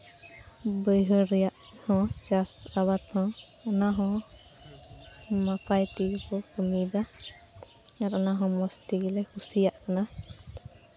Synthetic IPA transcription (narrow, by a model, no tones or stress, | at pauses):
bəjɦɔɾijaʔ | hɔ̃d͡ʒasabat̪hɔ̃ | ɔnaɦɔ̃ | mapʰajtikɔkɔmid̪a | aɾɔnaɦɔ̃mɔsliɡilɛkʰusijaʔkana